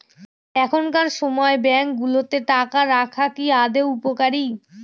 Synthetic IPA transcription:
ɛkʰonkaɾʃɔmɔebɛŋkɡulot̪eʈakaɾakʰakiad̪eupokaɾi

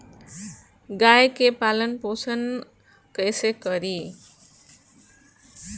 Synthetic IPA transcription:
ɡajkepalʌnposʌn | kʌjsekʌɾi

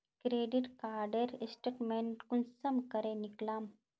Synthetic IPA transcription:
kɾeːɖiʈkaːɾɖeɾsʈeːʈmeɳʈkunsɐmkəɾeniklaːm

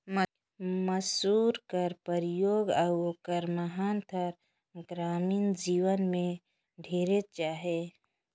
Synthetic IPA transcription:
məsuːɾkəɾpəɾɪjoːɡawokəɾməɦaːnt̪ʰəɾ | ɡɾaːmiːnd͡ʒiːwənmẽ | ɖʱeːɾet͡ʃaːɦe

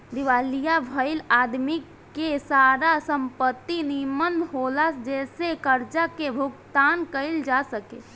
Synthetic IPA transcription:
d̪iʋaːlijabʱəɪlaːd̪mi | kesaːɾasə̃mpət̪ːinimənɦoːlasd͡ʒɛːsekəɾt͡ʃakebʱʊɡt̪aːnkəɪld͡ʒasəke

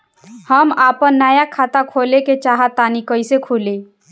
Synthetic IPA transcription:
həmapənːajakʰat̪akʰoleket͡ʃaɦət̪ːanikəɪsekʰule

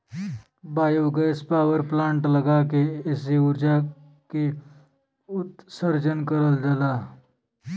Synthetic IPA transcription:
baːjuwɡɛspaʋəɾplaːɳʈləɡakees̬euɾd͡ʒa | ke | ʊt̪səɾd͡ʒənkəɾəld͡ʒala

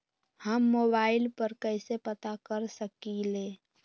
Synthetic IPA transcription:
həmːoːbaːɪlpəɾkəɪsepət̪akəɾsəkileː

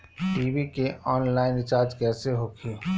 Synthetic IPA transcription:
ʈiːʋikeʔɔːnlaːɪnɪt͡ʃaːɾd͡ʒkɛːseɦoːkʰeː

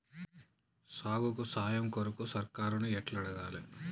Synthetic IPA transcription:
saːɡukusaːjɐmkoɾukusɐɾkaːɾunuɛʈlɐɽɐɡaːli

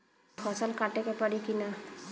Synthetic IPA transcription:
xʰɔsalkatɛkɛpaɾikina

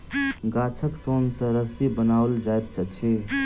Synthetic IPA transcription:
ɡat͡ʃʰəksonsə̃ɾəsibənauld͡ʒajt̪̚t͡ʃʰət͡ʃʰi

